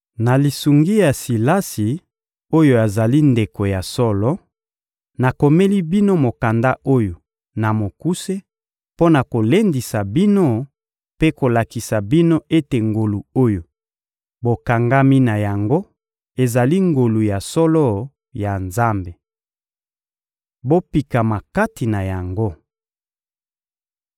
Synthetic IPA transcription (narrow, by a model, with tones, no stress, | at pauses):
na˨li˨su˨ŋɡi˦ja˨si˨la˦si˨ | o˦jo˨a˨za˨li˦nde˨ko˨ja˨sɔ˦lɔ˦ | na˨ko˨me˦li˦bi˦no˦mo˨ka˨nda˦ʔo˦jo˨ | na˨mo˨ku˦se˦ | po˦na˨ko˨le˦ndi˨sa˨bi˦no˦ | pe˦ko˨la˨ki˨sa˨bi˦no˦e˦te˨ŋɡo˨lu˨o˦jo˨ | bo˨ka˨ŋɡa˦mi˦na˨ja˨ŋɡo˦ | e˨za˨li˦ŋɡo˨lu˨ja˨sɔ˦lɔ˦ | ja˨nza˦mbe˨ | bo˦pi˨ka˨ma˨ka˦ti˨na˨ja˨ŋɡo˦